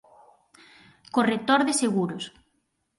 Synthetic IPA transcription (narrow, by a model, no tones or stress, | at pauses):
koret̪oɾðeseɣuɾʊs